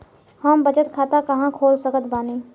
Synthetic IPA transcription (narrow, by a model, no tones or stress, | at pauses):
həmbət͡ʃət̪kʰaːt̪akɐɦãkʰoːlsəkət̪ʰbaːniː